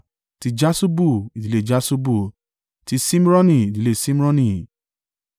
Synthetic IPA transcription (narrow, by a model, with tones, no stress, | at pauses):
ti˧d͡ʒa˦su˦bu˦˨i˨di˨˦le˦˨d͡ʒa˦su˦bu˦˨ | ti˧sĩ˦m˦ɾɔ̃˦nĩ˦˨i˨di˨le˧sĩ˦m˦ɾɔ̃˦nĩ˦˨